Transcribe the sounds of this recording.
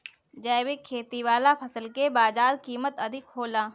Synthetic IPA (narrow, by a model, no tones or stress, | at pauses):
d͡ʒɛːʋɪkʰːeːt̪iʋaːlapʰɐsəlkebaːd͡ʒaːd̪kiːmət̪ɐd̪ʱɪkɦoːlaː